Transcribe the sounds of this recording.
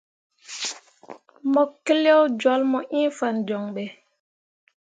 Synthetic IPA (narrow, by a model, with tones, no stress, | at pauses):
mɔ˨kːe˦ljɔ˦wd͡ʒwɔ˨˦lmɔ˨ʔĩ˦fa˨nd͡ʒɔ˨ŋɓɛ˨